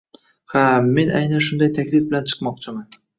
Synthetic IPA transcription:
haːe̞nʔajnaʃʊnd̪ajt̪ʰakʲlɪfbɪlant͡ʃʰɨ̥qmɒqt͡ʃʰɪman

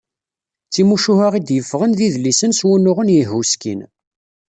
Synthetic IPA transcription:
t͡sːimuʃuhaʁid̪jəfːʁənðiðlːisənswunːʊʁənjəɦuskḭn

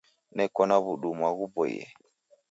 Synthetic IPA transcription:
nɛkɔnaβuɗumwaɣubɔjɛ̰

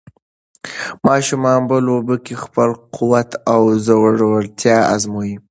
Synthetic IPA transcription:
mɑʃumɑnbəlobəkexpəlqʰuwat̪awzawɽawəlt̪jɑa̰zmuji

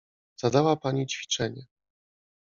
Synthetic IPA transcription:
z̥ad̪awapaɲit͡ɕfʲi̥t͡ʂɛɲɛ

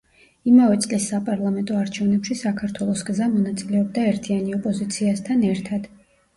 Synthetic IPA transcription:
imavɛt̪sʼlisːapʼaɾlˠamɛnt̪ʼɔaɾt͡ʃʰɛvnɛpʃisakʰaɾt̪ʰwɛlˠɔsɡzamɔnat̪sʼilɛɔbd̪aɛɾt̪ʰianiɔpʼɔzit̪sʰiast̪ʰanɛɾt̪ʰad̪̥

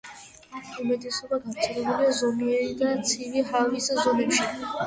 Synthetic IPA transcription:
umɛd̪ɛsɔbaɡaɾt͡s̪ʰʼiɾɛbuliazɔmiɛɾid̪at͡sʰivihaviszɔnɛpʃi

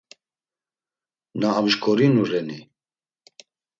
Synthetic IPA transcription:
naːmʒkʰɔɾinurɛni

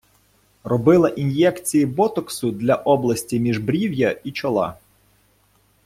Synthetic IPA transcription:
rɔbɪlˠɐʔinjɛkt͡sʲijibɔt̪ɔksʊd̪lʲɐʔɔblˠɐsʲtʲimʲiʒbɾʲiwjɐit͡ʃɔlˠɑ̰

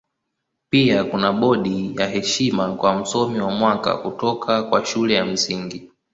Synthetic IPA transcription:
piakunaɓɔɗijaɦɛʃimakwam̩sɔmiwamwaka̰kutɔkʰakwaʃulɛjam̩siŋɡi

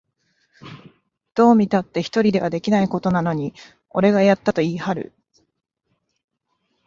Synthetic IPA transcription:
d̪̥o̞ːmʲit̪at̪ːe̞çi̥t̪o̞ɾʲid̪e̞βad̪e̞kʲinaiko̞t̪o̞nano̞ɲ̟i | o̞ɾe̞ɡajat̪ːat̪o̞iːhaɾɯ̟̰

